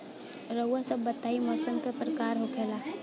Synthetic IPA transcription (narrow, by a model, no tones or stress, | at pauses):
ɾəwːasəbːət̪ːaːimɔsəŋkəpɾəkaːɾɦokʰela